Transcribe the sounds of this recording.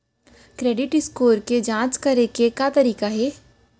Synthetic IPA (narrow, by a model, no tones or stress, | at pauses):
kɾeːɖɪʈɪskoːɾked͡ʒãːt͡ʃkɐɾekekaːt̪ɐɾiːkaɦɛː